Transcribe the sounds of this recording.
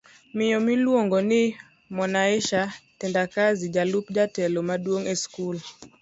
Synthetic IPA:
mɪɔmiluɔŋɡɔni | mɔnaɛʃatɛndakazid͡ʒalup̚d͡ʒatɛlɔmaɗuoŋɛskul

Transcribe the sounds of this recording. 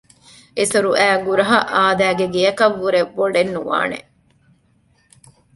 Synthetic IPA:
ʔesɐɾuʔæːɡuɾɐɦɐʔaːd̪æːɡeɡejɐkɐʋːuɾebːoɖenːuʋa̰ːnḛ

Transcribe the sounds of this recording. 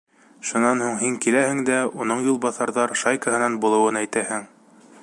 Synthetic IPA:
ʃunɑnhuɴɦiŋkilæhɘ̆ŋd̪æunɤɴjulˠbɑθɑɾðɑɾʃɑjkɤɦɤ̆nɑnbulˠɤ̆wɤnæjt̪æhɘŋ

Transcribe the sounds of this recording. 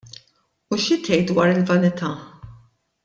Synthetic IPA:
uʃɪt̪ʰɛjt̪̚d̪wɐːɾɪlvɐnɪt̪ʰɐː

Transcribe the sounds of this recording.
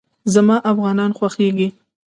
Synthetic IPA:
zamɑʔafɣɑnɑnxwaxeɡi

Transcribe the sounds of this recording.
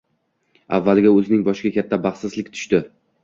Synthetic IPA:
a̰vːalɪɡʲaɵzɪnɪŋbɒʃɡʲakʲʰat̪ʰːabaχsɪzlɪkʲt̪ʰʊ̥ʃt̪ɪ

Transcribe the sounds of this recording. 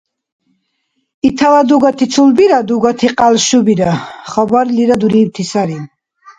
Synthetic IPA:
it̪ʰavad̪uɡat̪ʰit͡ʃʰulbiɾad̪uɡat̪ʰiqʼalʃubiɾaχɔbaɾliɾad̪uɾiːwt̪ʰisaɾi

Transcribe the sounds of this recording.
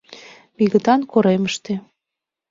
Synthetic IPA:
miɣət̪ɑnkoɾeməʃt̪e

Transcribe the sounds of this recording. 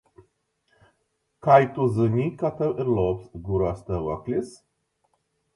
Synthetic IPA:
kajt̪uzɨnʲikat̪ʰəwiɾlopsɡuɾast̪əvaklʲis

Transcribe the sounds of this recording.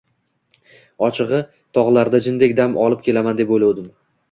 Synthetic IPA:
ɒt͡ʃʰɨʁɨ | t̪ʰɒʁlˠaɾd̪ad͡ʒɪnd̪ekʲd̪amɒlˠɪp̚kʲʰe̞lamand̪e̞pojlawd̪ɪm

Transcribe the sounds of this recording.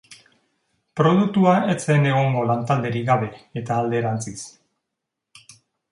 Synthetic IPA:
pɾo̞ð̞uk̚t̪uae̞t͡sene̞ɣ̞o̞ŋɡo̞lant̪ald̪e̞ɾiɣaβ̞e̞et̪aːld̪e̞ɾant͡sis

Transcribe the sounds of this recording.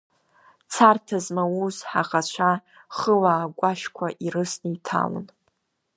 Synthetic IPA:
t͡sʰartʰazmawuzħaʁat͡ʃʷʰa | χəlaːɡʷaʃkʷʰaʔiɾɨsnɨitʰa̰wa̰n

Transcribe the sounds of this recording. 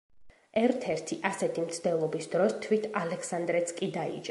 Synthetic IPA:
ɛɾt̪ʰɛɾt̪ʰiʔasɛt̪ʰimt̪sʰd̪ɛlˠɔbisd̪ɾɔst̪ʰwit̪ʰalɛkʰsand̪ɾɛt̪sʰkʼid̪aḭt͡ʃʼ

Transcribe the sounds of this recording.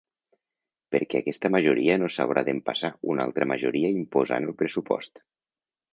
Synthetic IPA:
pəɾkɛakɛst̪əməʒuɾiənosa̰wɾʔa̰ðempasauna̰lˠt̪ɾəməʒuɾiəimpoza̰nəlˠpɾesupɔ̰st̪

